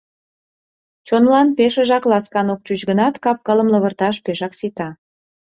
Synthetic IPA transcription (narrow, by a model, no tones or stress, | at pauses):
t͡ɕonlɑnpeʃə̆ʒɑklɑskɑnok̚t͡ɕyt͡ɕɣənɑt̪kɑp̚kələmlə̆βərt̪ɑʃpeʃɑksit̪ɑ